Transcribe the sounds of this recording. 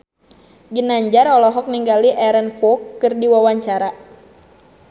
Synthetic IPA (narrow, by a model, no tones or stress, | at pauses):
ɡinaɲd͡ʒaɾɔlɔɦɔk̚niŋɡaliʔɛɾɛnfɔkːɨrdiwawaɲt͡ʃaɾa